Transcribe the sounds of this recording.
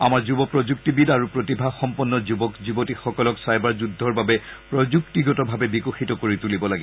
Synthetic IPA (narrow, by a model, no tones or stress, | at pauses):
amaɹzubɔpɹɔzuk̚tibidaɹupɹotibʱaxɔmpɔnːɔzubɔkzubotixɔkɔlɔksajbaɹzudʱːɔɹbabɛpɹɔd͡ʒuk̚tiɡɔtɔbʱabɛbikoxitɔkoɹitulibɔlaɡiɔ